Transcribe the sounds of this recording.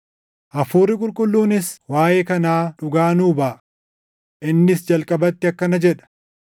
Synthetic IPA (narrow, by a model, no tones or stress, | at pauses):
ʔɐfuːrːɪkʼʊlkʼʊlːuːnɪswaːjeːkɐnaːᶑʊɡaːnuːbɐːʔ | ʔɪnːɪsd͡ʒɐlkʼɐbɐt̪ːɪɐkːɐnɐd͡ʒɛᶑɐ̥